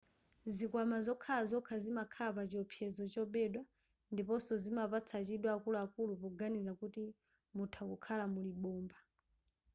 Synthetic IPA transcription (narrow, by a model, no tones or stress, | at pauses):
zikwamazɔkʰalazɔkʰazimakʰapat͡ʃiɔpʰjɛzɔt͡ʃɔɓɛɗwa | ndipɔsɔzimapat͡sʰat͡ʃiɗwaːkuluakulupɔɡanizakuti | mutʰakukʰalamuliɓɔːmba